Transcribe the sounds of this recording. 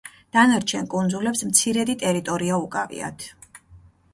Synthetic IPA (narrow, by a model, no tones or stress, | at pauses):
d̪̥anaɾt͡ʃʰɛnkʼund̪zulɛpsmt̪sʰiɾɛd̪it̪ʼɛɾit̪ʼɔɾiaukʼavḭa̰t̪ʰ